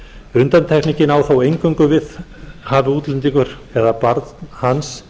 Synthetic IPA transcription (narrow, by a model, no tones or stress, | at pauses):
ʏnt̪ant̪ʰɛkniɲcɪnaːwθawejŋkʏŋkʏvɪðhaːvɪuːt̪lʏnt̪iŋkʏɾ̥ | ɛðapaɾt̪hans